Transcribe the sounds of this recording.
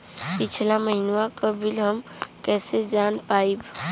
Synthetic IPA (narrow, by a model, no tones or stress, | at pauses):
pɪt͡ʃʰlaməɦɪnʋakəbʱɪlɦəm | kɛːsed͡ʒaːnpaːib